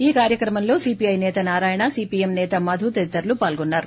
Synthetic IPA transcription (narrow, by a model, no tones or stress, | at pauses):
iːkaːɾjɐkɾɐmɐmlo̞ːsiːpiɐjnɛːt̪ɐnaːɾaːjɐɳɐsiːpiːemnɛːt̪ɐmɐd̪ʱut̪ɐɾit̪ːɐɾlupaːlɡonːaːɾu